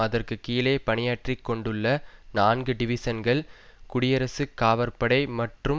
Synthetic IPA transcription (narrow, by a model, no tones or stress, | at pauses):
ɐðɐrkɯkiːleːpɐɳɪjaːʈrikːɔɳɖɯɭːɐnaːnɡɯɖɪʋɪsɐnɡɐɭkʊɽɪjɐɾɐsɯkːaːʋɐɾpɐɽɐɪmɐʈrɯ